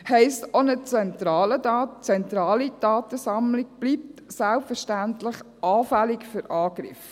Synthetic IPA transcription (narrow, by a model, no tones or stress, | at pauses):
hɛɪstonət͡sɛnt̪ɾɑːlədɑːt͡sɛnt̪ɾɑːlid̥ɑːt̪əsɑmlɪɡ̚b̥liːp̚t̪sælpfəɾʃtænt̪lɪχ | ʔɑːfælɪkfʏɾʔɑːɡɾɪ̰f